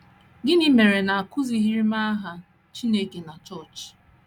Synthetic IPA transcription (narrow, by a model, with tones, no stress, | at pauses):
ɡɪ˦ni˦me˨ɾe˨na˨a˨kʊ˦zi˨ɦi˦ɾi˦ma˦a˦ɦa˨ | t͡ʃi˦ne˦ke˨na˨t͡ʃɔ˦˨t͡ʃ